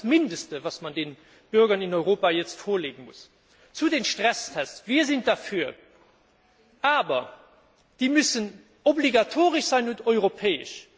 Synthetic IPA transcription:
smindəstəvaːsmɑndeːn | b̥yɐɡɐninɔʏʁoːpaːjɛt͡stfoːɐleːɡən̩mṵs | t͡sudeːnʃtʁ̥æstʰɛstviːɐzind̥afyːɐ | ʔaːbɐ | d̥iːmysən | obliɡatʰoːʁəʃz̥aɪnuntɔʏʁopʰɛːə̰ʃ

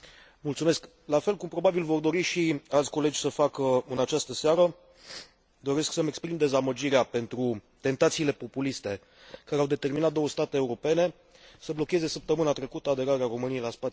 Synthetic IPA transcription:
mult̪sume̞sk | lafe̞lkumpɾo̞babilvo̞rd̪o̞ɾiʃialt̪ʲko̞le̞d͡ʒʲsəfakəɨnat͡ʃast̪əseaɾə | d̪o̞ɾe̞sksəmekspɾimd̪e̞zaməd͡ʒiɾeape̞nt̪ɾut̪e̞nt̪at̪siːle̞po̞pulist̪e̞ | kaɾeawd̪e̞t̪e̞rminat̪̚d̪o̞wəst̪at̪eːuɾo̞pe̞ne̞ | səblo̞kʲe̞ze̞səp̚t̪əmɨnat̪ɾe̞kut̪əad̪e̞ɾaɾeaɾo̞mɨniejlaspat̪

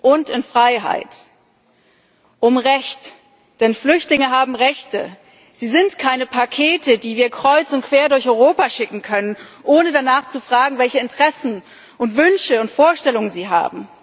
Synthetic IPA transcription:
ʔʊntɪnfʁ̥aɪɦa̰ɪt | ʔʊmʁɛçt | d̥ɛnflʏçtlɪŋəɦaːbm̩ʁɛçtə̰ | z̥iːzɪntkʰaɪnəpʰakʰeːtədiːviːɐkʁ̥ɔʏt͡sʊnt̚kv̥eːɐdʊɐçɔʏʁoːpaʃɪkŋ̩kʰœnənʔoːnədanaːχt͡sufʁ̥aːɡŋ̩vɛlçəɪntəʁ̥ɛsn̩ | ʔʊntv̥ʏnʃəʊntfoːɐʃtɛlʊŋənziːɦa̰ːbm̩

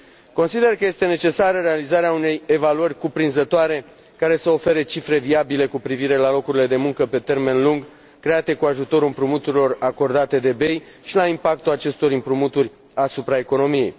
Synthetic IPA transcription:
ko̞nsid̪e̞rkəje̞st̪e̞ne̞t͡ʃe̞saɾəɾe̞alizaɾeaune̞je̞valuərʲkupɾinzət̪oaɾe̞ | kaɾe̞səo̞fe̞ɾet͡ʃifɾe̞viabile̞kupɾiviɾe̞lalo̞kuɾile̞d̪e̞muŋkəpe̞t̪e̞rme̞nluŋɡ | kːɾe̞at̪e̞kuaʒut̪o̞ɾɨmpɾumut̪uɾilo̞rako̞rd̪at̪e̞d̪e̞be̞j | ʃilaimpak̚t̪ulat͡ʃe̞st̪o̞ɾɨmpɾumut̪urʲ | asupɾae̞ko̞no̞mije̞̰j

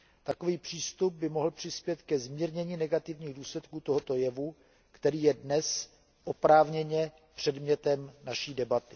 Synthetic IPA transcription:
t̪ako̞viːpr̝̥iːst̪ub̚bɪmo̞ɦl̩pr̝̥ɪspjɛt̪kɛzmiːɾɲɛɲiːnɛɡat̪ɪvɲiːɣduːslɛt̪kuːt̪o̞ɦot̪o̞jɛvu | kt̪ɛɾiːjɛdnɛs | ʔopɾaːvɲɛɲɛ | pr̝̥ɛdmɲɛt̪ɛmnaʃiːdɛbat̪ɪ

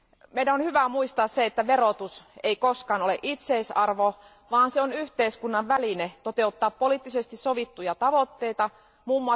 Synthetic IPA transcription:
meinæonhyʋæmuist̪ɑːsseet̪ːæʋeɾot̪useikoskɑːnoleʔit̪seisɑrʋo | ʋɑːnseonyht̪eiskunːɑʋʋælinet̪ot̪e̞ut̪ːɑːppoliːt̪ːisest̪issoʋit̪ːujɑt̪ɑʋot̪ːe̞it̪ɑ | muːmːuɑ

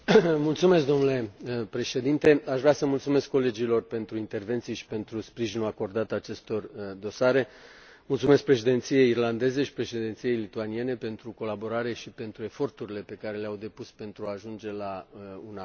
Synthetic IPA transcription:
mult̪sume̞skd̪o̞mnule̞pɾe̞ʃe̞d̪int̪e̞aʃvɾeasəmult̪sume̞skːo̞le̞d͡ʒilo̞rpe̞nt̪ɾuint̪e̞rvent̪sijeʃi̥pe̞nt̪ɾuspɾiʒinuako̞rd̪at̪at͡ʃe̞st̪o̞rd̪o̞saɾe̞ | mult̪sumeskpɾe̞ʃed̪e̞nt̪sije̞jirland̪e̞ze̞ʃi̥pɾe̞ʃed̪e̞nt̪sie̞jlit̪uanie̞nepe̞nt̪ɾuko̞labo̞ɾaɾe̞ʃipe̞nt̪ɾue̞fo̞rt̪uɾile̞pe̞kaɾe̞leawd̪e̞puspe̞nt̪ɾuaːʒund͡ʒe̞launa

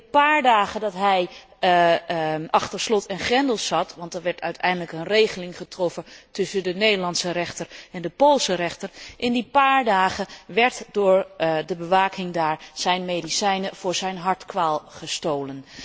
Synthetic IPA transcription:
əpaːɹdaːχədɑtɦɛj | ɑχtəɹslɔtʰɪnχɛndəlˠzɑtʋɑntdəɹʋɛɹtœɥtʰɛjndələkənrejχəlɪŋχətrɔfətɵsəndənejdəɹlɑntsərɛχtərɛndəpolˠsərɛχtərʔɪndipaːɹdaːχəʋɛɹtdʊːɹdəbəʋaːkʰɪŋdaːɹz̥ɛjnmejdisɛjnəv̥ʊːɹzɛjnɦɑɹtkʋaːlˠχəstowlən

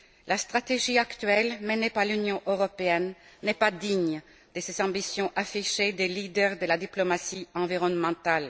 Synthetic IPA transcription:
last̪χat̪eʒiakt̪ɥɛlmɛnepaʁlynjɔ̃ʔøʁɔpeɛnːɛpad̪iɲ | d̪̥əsezɑ̃bisjɔ̃ʔafiʃed̪elid̪ɛʁd̪əlad̪iplɔmasiɑ̃viʁɔnmɑ̃t̪al

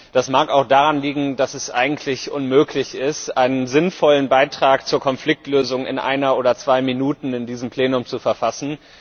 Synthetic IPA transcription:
d̥asmaːkaʊxd̥aʁanliːɡŋ̩dasɛsʔa̰ɪɡŋ̩tʰlɪçʔʊnmøːkʰlɪçɪstʔaɪnənzɪnfɔlənbaɪtʁ̥aːkt͡suːɐkʰɔnflɪk̚tløːzʊŋɪ̰nʔa̰ɪnɐoːdɐt͡sv̥aɪminuːtn̩ɪndiːzəmpʰl̥eːnʊmt͡sufɛɐfasn̩

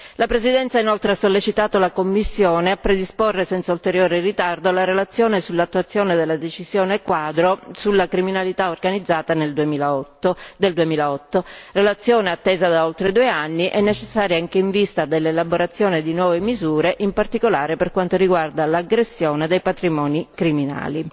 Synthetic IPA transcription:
lapɾezid̪ɛnt̪sainolt̪ɾeasːolːet͡ʃit̪aːt̪olakomːisːjoːneapːɾed̪isporːesɛnt̪sault̪eɾjoːɾerit̪ard̪olaɾelat̪sːjoːnesulːat̪ːuwat̪sːjoːned̪elːad̪et͡ʃizjoːnekwaːd̪ɾosulːakɾiminalit̪aorɡanid̪zːaːt̪aneld̪uemiːlat̪ːod̪eld̪uemiːlaɔt̪ːorelat̪sːjoːneat̪ːeːzad̪aolt̪ɾed̪uːeanːiʔɛnːet͡ʃesːaːɾjaaŋkeiɱvist̪ad̪elːelaboɾat̪sːjoːned̪inwɔːvemizuːɾeʔimpart̪ikolaːɾeperkwant̪oɾiɡward̪alaɡɾesːjoːned̪ejpat̪ɾimɔːnikɾimina̰ːli

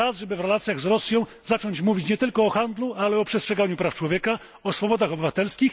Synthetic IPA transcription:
azʐɛbɘvɾɛlat̪sʲjaɣzɾɔsʲjɔ̃w̃ | zat͡ʂɔɲt͡ɕmuvʲit͡ɕɲɛt̪ɘlkɔɔxand̪lualɛɔpʂɛstʂɛɡaɲupɾaft͡ʂwɔvʲjɛka | ɔsfɔbɔd̪axɔbɘvat̪ɛlskʲix

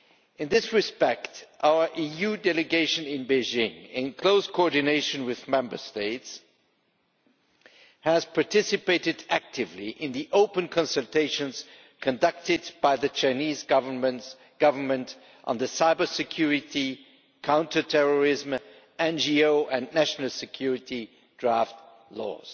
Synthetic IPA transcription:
ɨ̃nðɪsɹɨspɛktʔaʊə˞ʔijʉdɛlɨɡeɪʃɨ̃nɪ̃nbeɪʒɪ̃ŋɪ̃nkʰl̥oʊskʰoɔɹdɨneɪʃɨ̃nwɪðmɛ̃mbə̰˞steɪts | hɨz̥pʰɑɹtʰɪsɨpeɪɾɨdæk̚tʰɪvlḭʔɪ̃nðiʔoʊpɨ̃nkʰɑ̃nsɨl̩ˠtʰeɪʃɨ̃nz̥ | kʰɨ̃ndʌk̚tɨd̚b̥aɪðɨt͡ʃʰãɪ̃nizvə | ɡ̥ʌvə˞mɨ̃nt | ʔn̩ðɨsaɪbə˞sɨkʰj̥ʊɹɪɾi | kʰãʊ̃ntʰə˞tʰɛɹə˞ɪzm | ɛ̃nd͡ʒioʊʔɨ̃nːæʃnəl̩ˠsɨkʰj̥ʊɹɨɾi | dɹæft | lɔ̰z̥

